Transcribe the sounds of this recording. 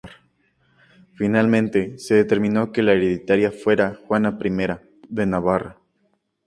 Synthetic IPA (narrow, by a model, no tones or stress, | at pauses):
ɾ | finalmẽnt̪e̞se̞ðe̞t̪e̞ɾmĩno̞ke̞laeɾeðit̪aɾjafwe̞ɾaxwanapɾime̞ɾa | ðe̞naβara